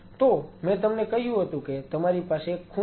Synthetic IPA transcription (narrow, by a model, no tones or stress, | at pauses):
t̪omɛ̃t̪əmnekəɦjũɦət̪ũket̪əmaɾipasekʰu